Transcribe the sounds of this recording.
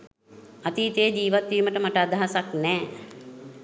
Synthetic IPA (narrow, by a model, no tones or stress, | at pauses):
at̪iːt̪ejəd͡ʒiːʋat̪ʋiːməʈəmaʈəad̪ʱaɦasaknɛː